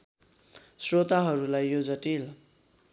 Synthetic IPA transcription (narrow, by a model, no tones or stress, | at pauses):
srot̪aɦʌɾulajːod͡zʌʈil